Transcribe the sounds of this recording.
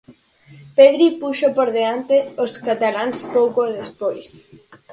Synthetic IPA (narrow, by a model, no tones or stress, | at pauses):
peðɾipuʃopoɾðeant̪eoskat̪alaŋspowkoðespojs